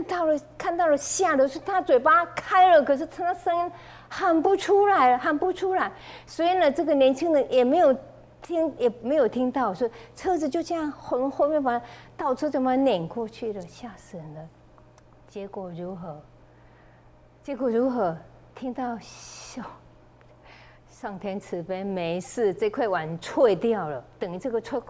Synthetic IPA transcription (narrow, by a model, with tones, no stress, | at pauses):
a˥˧nt̪ɑ˥˩ʊlə˩kʰa˥˧nt̪ɑ˥˩ʊlə˨˩ɕja˥˩d̪ə˨˩˥t̪ʰa˥t͡swe˨˩ɪpa˥kʰa˥ɪlə˨kʰɤ˨˩ʂ̬̩˥˩tʰa˥ŋt̪ʰa˥sə˥ŋi˧˥n | xə˨˩npu˧˥ʈ͡ʂʰu˥la˧˥ɪlə˧˦xə˨˩npu˧ʈ͡ʂʰu˥la˧˥ɪswɔ˧˥i˨˩nə˨ʈ͡ʂɤ˥˩ɡə˩˨njɛ˧˥nt͡ɕʰi˥ŋnə˧˥ŋjɛ˨˩me˧˥ɪjo˨˩ʊ | t̪ʰi˥ŋjɛ˨˩me˧˥ɪjo˨˩ʊt̪ʰi˥ŋt̪ɑ˥˩ʊswɔ˥˨ʈ͡ʂʰɤ˥ʈ͡ʂɻ̩˨˩t͡ɕjo˥˧ʊt͡ɕɑ˥˧ŋxxo˥˧ʊmjɛ˥˩˨pa˨˩˥t̪ɑ˥˩ʊʈ͡ʂʰɤ˥t͡so˨˩m˧njɛ˨˩nkwɔ˥˧t͡ɕʰy˥˩lə˩ɕja˥˩ʂ̩˨nd̪ə˧ | t͡ɕjɛ˧˥kwɔ˨˩ɻu˧˥xɤ˧˥ | t͡ɕjɛ˧˥kwɔ˨˩ɻu˧˥xɤ˧˥ | t̪ʰi˥ŋt̪ɑ˥˩ʊɕo˥˩ | ʂɑ˥˩ŋt̪ʰjɛ˥nt͡sʰɻ̩˧˥pe˥ɪme˧˥ɪʂɹ̩˥˧ʈ͡ʂɤ˥˧kʰwe˥˩ɪwa˨˩nt͡sʰwe˥˧ɪt̪jɑ˥˩ʊlə˩t̪ɤ˨˩ŋi˧˥ʈ͡ʂɤ˥˩ɡə˨t͡sʰwe˥˧